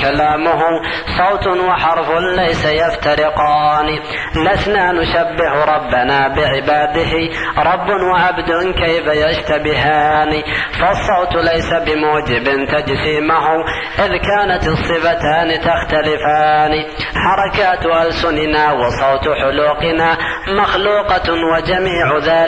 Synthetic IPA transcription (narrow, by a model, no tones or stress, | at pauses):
kalaːmʊɦʊ | sˤɑwt̪wɪħɑɾˤfʊnlajsajaft̪aɾɪqɑːni | lasnanʊʃabːɪhɾˤɑbːanaːbɪʕɪbaːd̪ɪɦɪ | ɾˤɑbːʊnwaʕabd̪ʊnkajfajaʃt̪abɪɦaːni | fɑsˤːɑwt̪lajsabɪmuːd͡ʒɪbɪnt̪ad͡ʒziːmaɦʊ | ʔɪðkaːnat̪ɨsˤːɨfat̪aːnt̪axt̪alɪfaːni | ħɑɾˤɑkaːt̪ʔalsʊnɪnaːwɪsˤɑwt̪ħʊluːqɪnaː | maxluːqɑwad͡ʒamiːʕʊðaːl